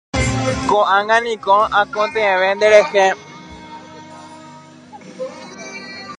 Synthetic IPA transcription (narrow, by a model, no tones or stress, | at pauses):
kõʔãŋɡãnĩkõãkõt̪ẽʋẽnd̪eɾehẽ